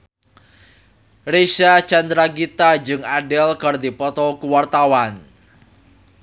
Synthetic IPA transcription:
reʃat͡ʃand̪ɾaɡit̪ad͡ʒɨŋadɛlkərd̪ipɔt̪ɔkuwart̪awan

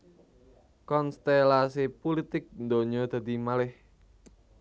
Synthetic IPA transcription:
kɔnst̪elasipolit̪ɪk̚nd̪oɲɔd̪̥a̤d̪imalɪh

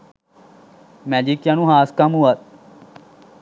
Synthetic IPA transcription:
mɛ̃ːd͡ʒiːkjãːnũːɦaːskamuat̪̚

